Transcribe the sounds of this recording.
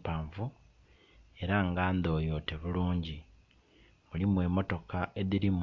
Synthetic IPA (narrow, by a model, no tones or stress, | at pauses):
paːɱvu | e̞ɾaŋɡaːnd̪o̞ːjo̞ːte̞βuluːɲɟi | mulimwe̞mo̞to̞kaeðiɾim